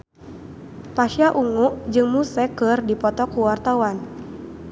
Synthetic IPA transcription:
paʃiaʔuŋuʔd͡ʒɨŋmusɛkɨrdipɔt̪ɔkuwart̪awan

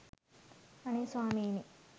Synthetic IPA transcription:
ɐniswaːmiːni

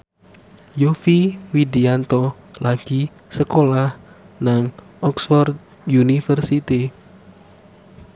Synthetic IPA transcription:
jofiwidiant̪ɔ | laɡ̥i | səkolah | naŋ | ʔɔksfɔrd̪̚ | junifərsit̪i

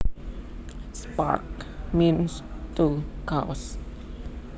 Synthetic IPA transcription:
spa̰ɹkmĩnstukʰaws

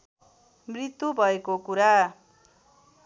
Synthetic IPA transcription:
mrit̪ːubʱʌekokuɾa

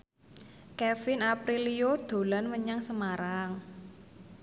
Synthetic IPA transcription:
kɛfɪnapɾilijod̪̥o̤lanməɲaŋsəmaɾaŋ

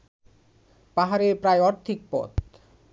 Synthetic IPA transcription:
paɦaɾepɾaeɔɾt̪ʰik̚pɔ̰t̪

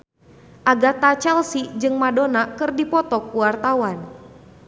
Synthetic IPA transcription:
ʔaɡat̪at͡ʃɛlsid͡ʒɨŋmadɔnakɨrdipɔt̪ɔkuwart̪awan

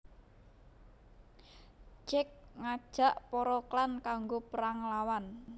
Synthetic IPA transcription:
t͡ʃɪk̚ŋad̥ʒ̥a̤ʔpɔɾɔklankaŋɡopəɾaŋlawan

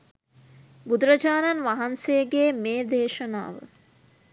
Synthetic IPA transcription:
bud̪ɾəd͡ʒaːnanʋaɦansejəɡeːmeːd̪eːʃəna̰ːʋə̰

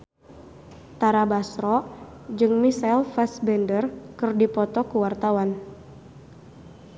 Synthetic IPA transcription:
t̪aɾabasɾɔ | d͡ʒɨŋmisalfasbɛndərkɨrdipɔt̪ɔkuwart̪awan

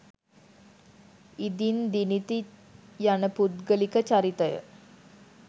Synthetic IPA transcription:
id̪ind̪init̪ijanəpud̪ɡəlikət͡ʃaɾit̪əjə̰

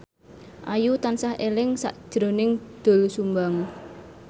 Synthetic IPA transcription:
ʔajut̪ansahʔelɪŋsa̰ʔd̥ʒ̥ɾo̤nɪŋd̪̥o̤lsumbaŋ

